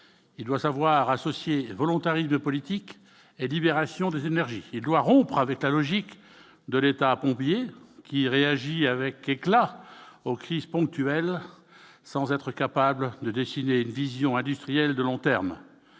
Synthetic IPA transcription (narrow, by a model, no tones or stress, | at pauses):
ild̪wasavwaʁasɔsjevɔlɔ̃t̪aʁismpɔlit̪ik | elibeʁasjɔ̃d̪ezenɛʁʒiːld̪waʁɔ̃pχavɛklalɔʒik | d̪əlet̪apɔ̃pjekʲiʁeaʒiavɛkeklaokχizpɔ̃k̚t̪yɛl | sɑ̃zɛt̪χəkapabld̪əd̪esineynvizjɔ̃ɛ̃d̪yst̪χijɛld̪əlɔ̃t̪ɛʁm